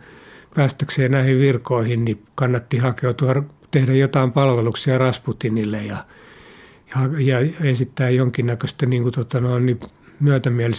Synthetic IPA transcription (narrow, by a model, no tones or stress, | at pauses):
pæːst̪ækseːnnæihiʋʋirkoihinnikɑnːɑt̪ːihɑkeut̪uɑrt̪ehdæjot̪ɑimpɑlʋeluksiɑrɑsput̪inilːejɑ | hɑjɑesit̪ːæːjjoŋkinːækøst̪æniːŋkut̪ot̪ɑnoinnimyæt̪æmiælis